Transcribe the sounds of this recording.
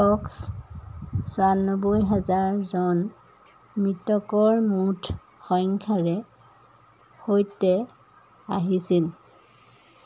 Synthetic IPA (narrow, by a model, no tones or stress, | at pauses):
tɔks | sɔanɔbojɦazaɹzɔn | mɹitɔkɔɹmutʰ | xɔŋkʰaɹɛ | xojtɛ | aɦisil